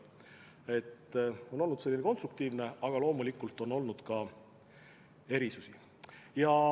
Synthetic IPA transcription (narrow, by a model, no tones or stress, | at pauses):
e̞t̪ːo̞no̞lnud̪selːineko̞nst̪ruk̚t̪iːvne̞ɑɡ̥ɑlo̞ːmulikːult̪ːˑo̞nːo̞lnud̪̥kɑ | e̞ɾisusi | jɑ